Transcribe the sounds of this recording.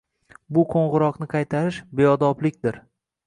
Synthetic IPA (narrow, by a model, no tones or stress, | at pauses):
bʊqʰoɴʁɨɾɒqnɪqʰɑjt̪ʰaɾɪʃbe̞ɒd̪ɒplɪkʲd̪ɪɾ